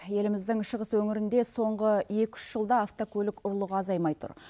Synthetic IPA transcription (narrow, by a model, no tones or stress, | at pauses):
je̞lɪmɪzd̪ɪŋʃəʁəswɵŋɪɾɪnd̪e̞so̞ɴʁəje̞kʲʏ̥ʃʒ̥əlˠd̪ɑːft̪okʲʰɵlɪkʊɾlˠəʁɑːzɑjmɑjt̪ʰʊ̰ɾ